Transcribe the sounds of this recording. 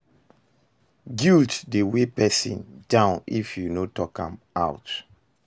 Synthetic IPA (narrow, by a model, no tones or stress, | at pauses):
ɡiltdewepɛsḭ̃ndãʊ̃nifjunotɔkã̰m | aʊt